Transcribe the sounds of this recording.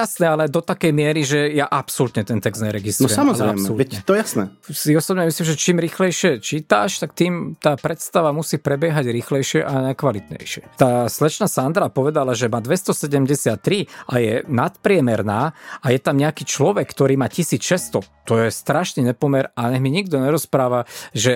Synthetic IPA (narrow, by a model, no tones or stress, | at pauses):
jasnɛalɛd̪ɔt̪akɛjmɪɛɾiʒɛjaʔapsɔlut̪ɲɛt̪ɛnt̪ɛɡzd̪ɲɛɾɛɡist̪ɾɔuɛsamɔzalɾɛasɛɔluɛtɲɛt̪ɔɛjasnɛsiɔsɔbɲɛmisliːmʒɛt͡ʃiːmɾiːxlɛjʃɪɛt͡ʃiːt̪aʃt̪akt̪iːmt̪aːpɾɛt̪st̪aʋamusiːpɾɛbɪjɛɦaɟɾiːxlɛjʃɪɛʔanajkʋalit̪ɲɛ̰jʃɪɛt̪aːslɛt͡ʃnasand̪ɾapɔʋɛd̪alaʒɛmaːd̪ʋɛst̪ɔsɛɟɛmɟɛsɪat̪ːɾiʔajɛnat̪pɾɪɛmɛɾnaːajɛt̪amɲɛakiːt͡ʃlɔʋɛkːt̪ɔɾiːmaːcisiːt͡sʃɛst̪ɔt̪ɔjɛst̪ɾaʃniɲɛpɔmɛɾaɲɛɦmiɲiɡd̪ɔɲɛɾɔspɾaːʋaʒɛ